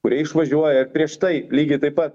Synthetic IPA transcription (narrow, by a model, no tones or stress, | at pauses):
kʊɾʲiɛɪʃʋɐʒʲuɔjɛɪɾpʲɾʲiɛʃt̪ɐɪlʲiːɡʲɪt̪ɐɪpːɐt̪̚